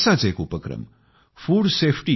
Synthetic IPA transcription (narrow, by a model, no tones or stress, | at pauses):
sat͡seːkupəkɾɐ̰m | fuːɖseːfʰʈi